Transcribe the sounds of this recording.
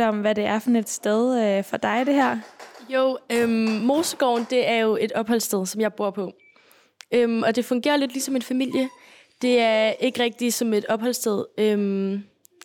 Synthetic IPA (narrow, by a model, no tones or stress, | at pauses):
ɒ̽mʋæde̝æɐfɒne̝d̥sd̥eð̞ˠøfɒd̥ɑ̈ɪd̥e̝ɦæɐ̰joʊ̰ømːmo̝ːsəɡ̥ɒ̰ʊnd̥e̝æɐjo̝e̝d̥ɒ̽b̥ɦɒ̽l̰sd̥eð̞ˠsɒ̽mjɑ̈ɪb̥u̝ɐ̰pʰɒ̽ | ømɒ̽d̥e̝fɔ̽ŋɡ̥e̝̰ːɐle̝d̥lisɒ̽me̝nfæmil̰jə | d̥e̝æɐe̝ɡ̥əʁɛɡ̥̚d̥isɒ̽me̝d̥ɒ̽b̥hɒ̽l̰sd̥eð̞ˠøm